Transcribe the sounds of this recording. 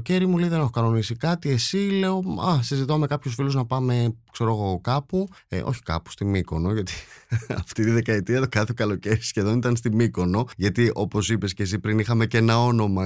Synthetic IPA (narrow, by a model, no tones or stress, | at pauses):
oce̞ɾimulejðene̞xo̞kɐno̞nisikɐt̪ie̞sile̞o̞ɐsizit̪ome̞kɐpçosfiluznɐpɐmekse̞ɾo̞ɣo̞kɐpṵʔo̞̰çi̥kɐ̰pu̥st̪imiko̞no̞ʝɐt̪i̥ɐ̰ft̪it̪iðe̞kɐet̪iɐt̪okɐθekɐlo̞ceɾisçe̞ðo̞nit̪ɐnst̪imiko̞no̞ʝɐt̪iʔo̞po̞sipe̞sces̬ipɾinixɐme̞ce̞nɐo̞no̞mɐ